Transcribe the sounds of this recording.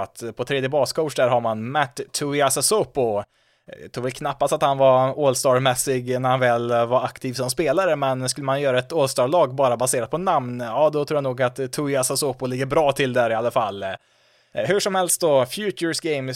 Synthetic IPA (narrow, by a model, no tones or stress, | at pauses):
at̪pʰɔt̪ʰɾeːd̪jəbɑːskʰɔʊʂd̪æːɾɦaɾmanmæʈ̪ʰːʊɪasasopʊ̰ | t̪ʰɾuːvɛlkʰnapːast̪at̪hanvaɾolst̪ɑːɖmɛsːɪɡnæɾhanvɛlvaɾakt̪ʰiːvsɔmspeːlaɾəmɛnskɵlːəmanjœːɾaɛt̪oːlst̪ɑːɖɭɑːɡbɑːɾabaseːɾad̪̚pʰɔnamnjɑːd̪ɔt̪ʰɾuːɾjanuːɡat̪ʰːʊɪasasopʊlɪɡːəɾbɾɑːt̪ʰɪld̪æɾɪalːafalː | hʉʂɔmhɛlst̪̚d̪ɔfjʉːt͡ʃəsɡeɪm